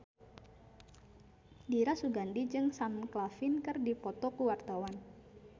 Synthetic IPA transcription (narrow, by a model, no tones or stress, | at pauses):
diɾasuɡandid͡ʒɨŋsamklafɪnkɨrdipɔt̪ɔkuwart̪awan